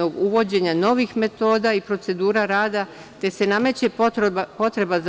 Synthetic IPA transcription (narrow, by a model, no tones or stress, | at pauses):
oɡuʋo̞d͡ʑe̞ɲano̞ʋixme̞t̪o̞ːd̪aipɾo̞t̪se̞d̪uːɾaɾaːd̪a | t̪e̞se̞name̞t͡ɕe̞ppo̞t̪ɾe̞baz